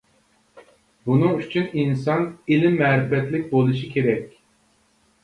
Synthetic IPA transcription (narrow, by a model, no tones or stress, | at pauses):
bunuŋyt͡ʃʰyninsɑnilimːɛɾɛfɛt̪lʲik̚ʲbolˠuʃɯkʰʲeɾɛkʲ